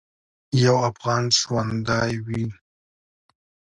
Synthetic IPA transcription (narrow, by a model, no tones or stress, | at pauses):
jawafɣɑnʃwand̪ɑjwi